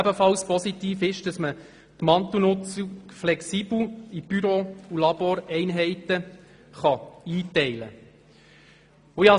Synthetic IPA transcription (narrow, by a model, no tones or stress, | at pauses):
æbəfɑlspɔsit̪iːfɪʃd̥ɑsmə | t̪mɑnt̪unʊt͡siflɛksiːbl̩ib̥yɾoulɑboɾɛɪnɦɛɪt̪ə | χɑiːt̪ɛɪlə̰ | ʊjɑ